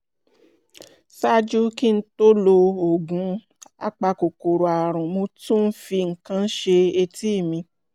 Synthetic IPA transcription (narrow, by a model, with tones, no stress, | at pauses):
sa˦d͡ʒu˦ki˦n̩˦to˦lo˧o˨ɡũ˨˦ | a̰˦k͡pa˧ko˨ko˨ɾo˨a˨ɾ̃ũ˨mo˧tũ˦n̩˦fi˧ŋ̩˨kã˦n̩˦ʃe˧e˧ti˦˨mĩ˧